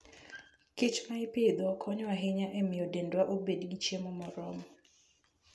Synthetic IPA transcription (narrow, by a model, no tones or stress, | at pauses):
kɪt͡ʃmaɪpɪd̪ɔkʰɔɲwaɦɪɲaʔemɪjɔdendwaʔobedɡit͡ʃjemɔmɔɾɔmɔ